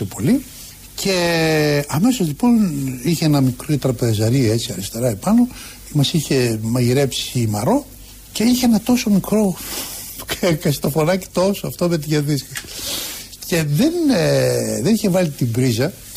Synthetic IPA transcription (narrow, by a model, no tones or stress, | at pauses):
epo̞li | cʰe̞ | ɐme̞sozlipo̞niçeenɐmikɾit̪ɾɐpezɐɾiet͡siɐɾist̪e̞ɾɐepɐno̞ | mɐsiçe̞mɐʝiɾe̞psiːmɐɾo̞ | ce̞içeenɐt̪o̞so̞mikɾo̞ | kkɐst̪o̞fonɐci̥t̪o̞soɐft̪omet̪iʝɐðiskɐ | ce̞ðe̞n | ðe̞niçe̞vɐlit̪ibɾizɐ